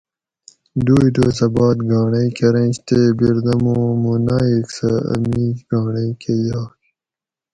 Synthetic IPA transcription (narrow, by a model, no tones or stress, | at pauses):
d̪uːiʈoːsɐbɑːt̪ɡɑːɳɐikʰeɾɐ̃nɕt̪ebiɾd̪ɐmoːmunaːiksɐɐ̰miːɡɑːɳɐjkejɑːk